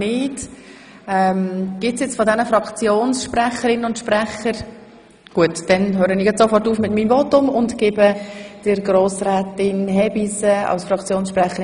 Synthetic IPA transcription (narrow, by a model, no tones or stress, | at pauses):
nɪːt | ɛmɡ̥ɪtsjɛt͡sfɔdɛnəfɾɑkt͡sjoːnsʃprɛχəɾɪnəʊntʃpɾɛχəɾ | ɡ̥uətd̥ɛnɦøːɾənɪːjɛt͡ssofɔrtuːfmɪtmiːmvotʊmʊntɡ̥ɪbəd̥ɪɾɡɾoːsrɛːtɪnɦɛbisəɑ̰lsfɾɑkʰt͡sjoːnsʃpɾɛχəɾɪ